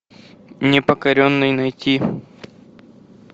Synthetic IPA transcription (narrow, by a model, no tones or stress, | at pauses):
nʲɪpəkɐɾʲonːɨjnɐjtʲʰi